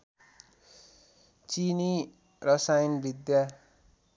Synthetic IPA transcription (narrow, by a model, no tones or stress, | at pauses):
t͡sini | rʌsajnbʱid̪ja